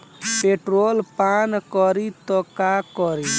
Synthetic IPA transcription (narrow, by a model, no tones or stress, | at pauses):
peʈɾoːlpankɔɾit̪ɔkakɔɾi